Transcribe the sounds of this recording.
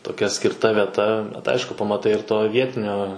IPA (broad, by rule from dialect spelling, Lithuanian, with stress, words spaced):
toːˈkʲɛ sʲkʲɪrˈtɐ ʋʲiɛˈtɐ bʲɛt ˈɐɪʃkʊ pɐmɐˈtɐɪ ɪr ˈtoː ˈʋʲiɛtʲɪnʲoː